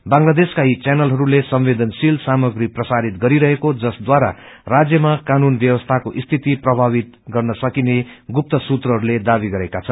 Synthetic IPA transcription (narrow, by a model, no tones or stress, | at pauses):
baŋlad̪eskait͡sjanʌlɦʌɾulesʌmwed̪ʌnsilsamʌɡɾiprʌsaɾit̪̚ɡʌɾiɾʌɦekod͡zʌsd̪waɾa̰ | rad͡zjʌmakanunbjʌwʌst̪ʰakoʔist̪ʰit̪iprʌbʱaβit̪̚ɡʌrnʌsʌkineɡup̚t̪ʌsut̪rʌɦʌɾuled̪abiɡʌɾekat͡sʰʌn